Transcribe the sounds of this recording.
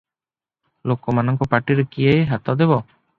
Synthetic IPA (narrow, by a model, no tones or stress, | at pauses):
lokɔmanɔŋkɔpaʈiɾekijejɦat̪ɔd̪ebɔ